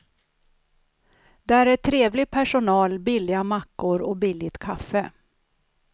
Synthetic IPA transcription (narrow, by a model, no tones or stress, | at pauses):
d̪ɛæɾɛt̪ʰːɾeːvlɪpʰæʂʊnɑːlbɪlːɪɡamakːʊɾɔbɪlːɪt̪kʰafə